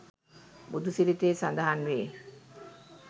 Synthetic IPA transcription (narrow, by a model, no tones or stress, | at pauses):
bud̪usilit̪eːsand̪aɦanʋeː